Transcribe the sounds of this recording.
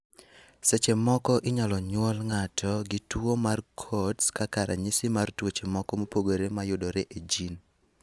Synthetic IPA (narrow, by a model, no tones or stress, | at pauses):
set͡ʃemɔkɔʔɪɲalɔɲwɔlŋatʰɔɡɪtwomarkʰɔtskakaɾʔa̰ɲɪsɪmartwot͡ʃemɔkɔmopoɡoɾemajʊdoɾeʔed͡ʒin